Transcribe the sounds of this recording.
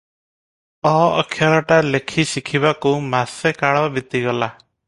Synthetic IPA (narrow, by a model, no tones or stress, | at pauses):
ɔɔ̰kʰjaɾɔʈalekʰisikʰiβakumasekaɭɔbit̪iɡɔla